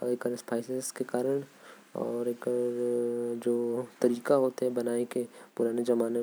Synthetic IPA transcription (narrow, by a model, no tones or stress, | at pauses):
ekəɾspaːɪsezkekaːɾəɽ̃ | ɔ̰ːɾek | d͡ʒoːt̪ɐɾiːkaɦoːt̪eɦɛbɐnaːekepʊɾaːned͡ʒɐmaːne